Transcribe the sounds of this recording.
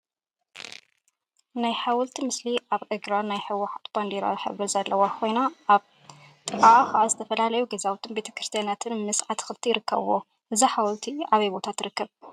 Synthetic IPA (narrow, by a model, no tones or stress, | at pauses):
najħawʊlt̪ʰimɨsliʔaβʕɨɡɾanajħɨwːɐħat̪b̥and̪iɾa̰wiħɨ̰βɨzɐlːɐwakʰo̞jnaʔːβ | t̪ʼɨaʕaxaʕazɨt̪ʰɐfɐlalɐjuɡɐzawt̪ʰɨnbe̞t̪ʰɐ̥kɾɨst̪ʰjeanat̪ʰɨnmɨsʕat̪ʰxɨlt̪ʰijɪɾɨkːɐ̰βɨwo | ʔɨziħawlt̪ʰiaβɐjbo̞t̪ʰat̪ʰɨɾɨkːɐβ